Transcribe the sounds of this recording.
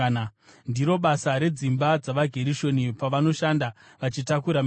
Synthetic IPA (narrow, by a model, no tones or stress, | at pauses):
ndiɾo̞ɓasaɾe̞d͡zimbad͡zaʋaɡʱe̞ɾiʃo̞nipaʋano̞ʃanda | ʋat͡ʃitakuɾam